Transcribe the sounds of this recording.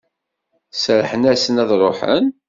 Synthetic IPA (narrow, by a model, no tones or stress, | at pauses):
sɾħənæsənæðrˤoħə̰n